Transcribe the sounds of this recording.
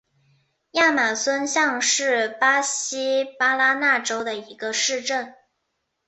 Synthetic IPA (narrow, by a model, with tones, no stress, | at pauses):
ja˥˩ma˨˩swə˥nɕjɑ˥˧ŋʂɻ̩˥˩pa˥ɕi˥pa˥la˥na˥˩ʈ͡ʂo˥ʊd̪ə˨i˧˥ɡ̥ə˧ʂɻ̩˥˧ʈ͡ʂə˥˩n